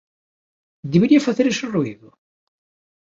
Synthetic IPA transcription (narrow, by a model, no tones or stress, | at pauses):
d̪eβeɾiafaθeɾesoruiðʊ